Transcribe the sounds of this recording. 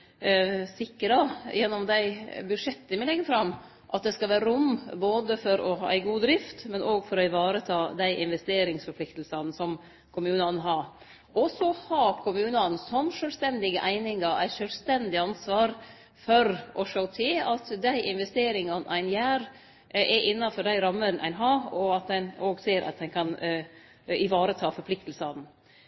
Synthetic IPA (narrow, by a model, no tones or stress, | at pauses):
sɪkːəɾɑjɛnːɔmd̪æɪbʉʂɛt̪ːənmɪlɛɡːəfɾɑmː | ʔɑt̪̚d̪ɛskɑlʋæːɾəɾʊmboːd̪əfɔɾɔhɑ̰ːʔæ̰ɪɡuːd̪ɾɪft̪mɛnoːɡfɔɾɔɪʋɑːɾət̪ʰɑːd̪æɪʔɪnʋɛst̪eːɾɪŋsfɔpʰlɪkt̪lsɑnsɔm | kʰʊmʉːnɑnɦɑ | ʔɔsɔhɑːkʰʊmʉːnɑnsɔmʂœlst̪ɛnd̪ɪɡəʔæɪnɪŋɑɾʔæ̰ɪʂœlst̪ɛnd̪ɪɑnsʋɑːɾ | fɔɾʔɔʂɑʊt̪ʰeːɑt̪d̪æɪʔɪnʋɛst̪eːɾɪŋɑnæ̰ɪnjæːɾ | ʔɛʔɪnːɑfɔɖ̪æɪɾɑmːəɾnʔæ̰ɪnɦɑɔɑt̪̚d̪ɛnoːɡseːɾʔɑ̰t̪̚d̪ɛɪnkʰɑn | ɪʋɑːɾət̪ʰɑːfɔɾpʰlɪk̚t̪lsɑd̪n̩